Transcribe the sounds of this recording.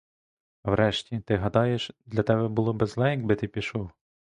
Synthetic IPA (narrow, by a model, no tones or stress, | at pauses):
wɾɛʃtʲit̪ɪɦɐd̪ɑjeʃd̪lʲɐt̪ɛbɛbʊlˠɔbezlˠɛjɐɡbɪt̪ɪpʲiʃɔw